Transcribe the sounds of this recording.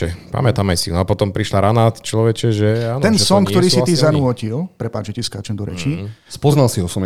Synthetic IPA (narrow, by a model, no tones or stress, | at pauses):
ɛpa̰mɛt̪amajsinapɔt̪ɔmpɾiʃlaɾanat͡ʃlɔʋɛt͡ʃɛʒɛaːnɛnsɔŋkt̪ɔɾiːsit̪izanʊɔcilpɾɛpaːd͡ʒɛciskaːt͡ʃɛnd̪ɔɾɛ̰t͡ʃispɔznalsiɦɔsɔm